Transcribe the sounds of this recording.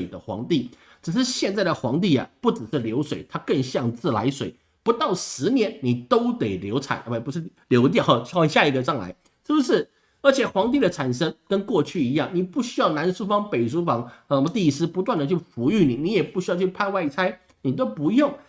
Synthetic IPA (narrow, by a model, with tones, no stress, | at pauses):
ɪd̪ə˦xwɑ̰˧˥ŋt̪i˥˩ | ʈ͡ʂɻ̩˨˩ʂɻ̩˥˧ɕjɛ˥˧nt͡sa˥˩ɪd̪ə˩xwɑ˧˥ŋt̪̬i˥˩ɐ̰˩pu˥˩ʈ͡ʂɻ̩˨˩ʂɻ̩˥˩ljo˧˥ʊʂwe˨˩ɪt̪ʰa˥kə˥˧ŋɕjɑ˥˧ŋt͡sɹ̩˥˩la̰˧˥ɪʂwe˨˩˦ɪ | pu˧˥t̪ɑ˥˩ʊʂɻ̩˧˥njɛ˧˥nni˨˩t̪o˥ʊt̪e˨˩ɪljo˧˥ʊt͡sʰa̰˨˩˦n˧˥˩pu˧˥ʂɻ̩˥˩ljo˧˥ʊt̪̬jɑ˥˩ʊ˨˥wŋɕja˥˧˩i˧˥ɡə˧ʈ͡ʂɑ˥˩ŋla̰˧˥ɪ | ʂɻ̩˥˩bu˧˩ʂɻ̩˥˩ | ə˞˧˥t͡ɕʰjɛ˨˩xwɑ˧˥ŋt̪̬i˥˩d̪ə˩t͡sʰa˨˩nʂə˥ŋkə˥nkwɔ˥˧t͡ɕʰy˥˩i˧˥jɑ˥˩ŋni˨˩pu˥˩ɕy˥jɑ˥˩ʊna˧˥nʂu˥fɑ˥ŋpe˨˩ɪʂ̬u˥fɑ˧˥ŋ˧˩˧t̪i˥˩˧sɹ̩˥pu˧˥t̪wa˥˩nd̪ə˩t͡ɕʰy˥˩fu˧˥y˥˩ni˨˩ni˧˥jɛ˨˩pu˥˩ɕ̬y˥jɑ˥˧ʊt͡ɕʰy˥˩pʰa˥˧ɪwa˥˩ɪt͡sʰa˥ɪ | ni˨˩t̪̬o˥ʊpu˧˥jʊ˥˩ŋ